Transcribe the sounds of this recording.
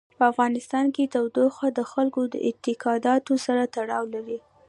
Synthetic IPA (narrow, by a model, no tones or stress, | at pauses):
pəafɣɑnɪst̪ɑnket̪awd̪oxad̪əxalkod̪ə̰ʔɪt̪ɪkɑd̪ɑt̪osaɾat̪aɽɑwlaɾi